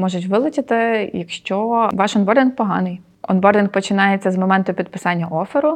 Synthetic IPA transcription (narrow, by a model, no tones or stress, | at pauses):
mɔʒʊtʲʋɪlˠɪt͡ʃʲɪt̪ɪjɐkʃt͡ʃɔʋɑʃɔndbɔrd̪ʲɪnk̚pɔɦɑnɪj | ɔ̰nbɔrd̪ʲɪnk̚pɔt͡ʃɪnɑjet͡sʲːɐzmɔmɛnt̪ʊpʲid̪̚pɪsɑnʲːɐʔɔfɪɾʊ